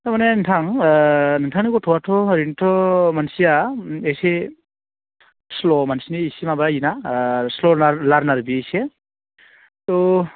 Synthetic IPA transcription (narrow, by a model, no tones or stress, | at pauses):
tamaneɯŋtʰaŋ | nɯŋtʰaŋnikɔtʰɔwatʰɔɾintʰɔmansijaese | slɔmansiniːsimabajinaslɔlaɾnaɾbiese | tɔ